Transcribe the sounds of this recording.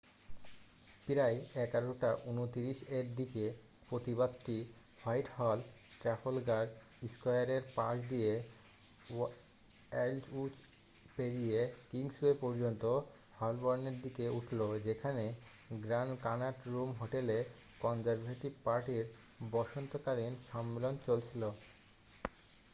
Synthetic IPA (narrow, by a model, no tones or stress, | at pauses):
piɾajɛkaɾoʈaʔunot̪iɾiʃeɾd̪ike | pɾot̪ibad̪ʈi | hajʈhɔl | ʈɾafolɡaɾɾ | iskajaɾeɾpãʃd̪ie | ɛld͡ʑut͡ɕ | peɾijekiŋsuepɔɾd͡ʑont̪o | hɔlbɔɾneɾd̪ikeuʈʰlod͡ʑekʰane | ɡɾankanaʈɾumɦoʈele | kɔnd͡ʑaɾbʱeʈibpaɾʈiɾ | bɔʃont̪okalinʃɔmːelont͡ɕolt͡ɕʰilo